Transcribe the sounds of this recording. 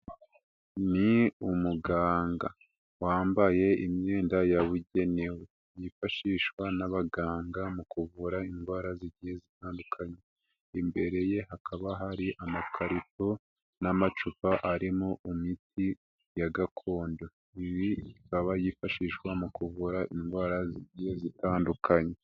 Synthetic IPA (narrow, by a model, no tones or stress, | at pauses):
niumuɡaːŋɡa | waːmbaje̞imɲeːndajaβuɟe̞newe | jifaʃiːʃwanaβaɡaːŋɡamukuβuɾaiŋɡwaːɾaziɟihezitaːndukʰaɲe | imbe̞ɾe̞je̞ɦakʰaβaɦaɾiʔamakʰaɾito | namat͡ʃupaʔaɾimoimiti | jaɡakʰo̞ːndo | iɾiikaβajifaʃiːʃwamukuβuɾaʔinɡwaːɾaziɟihezitaːndukʰaɲe̞